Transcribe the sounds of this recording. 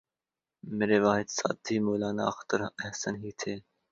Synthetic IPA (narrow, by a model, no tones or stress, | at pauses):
meːɾeːʋaːɦɪd̪sa̰ːt̪ʰiːmoːlaːna̰ːəxt̪əɾəɦsənɦiːt̪ʰeː